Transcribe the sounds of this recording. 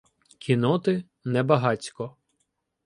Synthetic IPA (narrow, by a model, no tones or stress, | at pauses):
kʲʰinɔt̪ɪ | nɛbɐɦɑt͡sʲkɔ